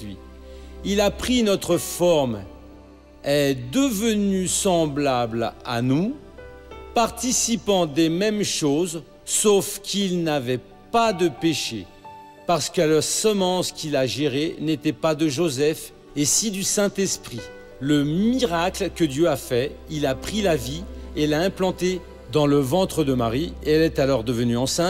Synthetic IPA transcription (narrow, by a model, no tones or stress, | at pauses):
ɥḭ | ilapχinɔt̪χəfɔʁm | ɛd̪əvənysɑ̃blabla̰nu | paʁt̪isipɑ̃d̪emɛmʃoz | sofkʲʰilnavɛ | pad̪əpeʃḛ | paʁsə̥kaləʁsəmɑ̃skʲilaʒeʁenet̪ɛpad̪əʒozɛf | esid̪ysɛ̃t̪ɛspχi | ləmiʁaklkəd̪jøafɛilapχilavielaɛ̃plɑ̃t̪e | d̪ɑ̃ləvɑ̃t̪χəd̪əmaʁieɛlɛt̪alɔʁd̪əvənyɑ̃sɛ̃